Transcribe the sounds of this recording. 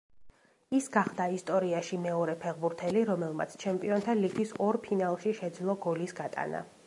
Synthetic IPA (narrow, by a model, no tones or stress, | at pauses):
isɡaχd̪aist̪ʼɔɾiaʃimɛɔɾɛpʰɛʁbuɾt̪ʰɛliɾɔmɛlˠma̰t̪sʰt͡ʃʰɛmpʼiɔnt̪ʰaliɡisɔɾpʰinalˠʃiʃɛd̪zlˠɔɡɔlisɡat̪ʼa̰na̰